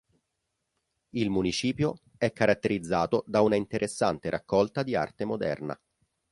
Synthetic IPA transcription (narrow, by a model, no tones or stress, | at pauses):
ilmunit͡ʃiːpjo | ɛkːaɾat̪ːeɾid̪zːaːt̪od̪aunaint̪eɾʔesːant̪eɾʔakːɔlt̪ad̪ia̰rt̪emod̪ɛ̰rna̰